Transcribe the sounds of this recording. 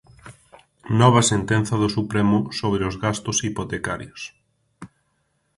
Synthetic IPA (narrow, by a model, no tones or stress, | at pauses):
nɔβ̞ɐsent̪ɛn̟θɐðʊsupɾɛmʊsoβ̞ɾeʊzɣast̪ʊsipot̪eka̰ɾjos